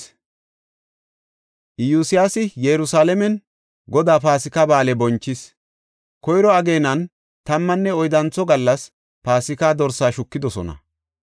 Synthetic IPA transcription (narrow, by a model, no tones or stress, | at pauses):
ʔɪjuːsɪjasɪjɛɾʊsaːlɛmɛn | ɡɔd̪aːpaːsɪkɐbaːlɛbɔnt͡ʃːɪs | kɔjɾɔɐɡe̞ːnɐn | t̪ɐmːɐnːɛɔjd̪ɐnt͡sːɔɡɐlːɐs | paːsɪkaːd̪ɔɾsaːʃʊkːɪd̪ɔsɔ̰nɐ̰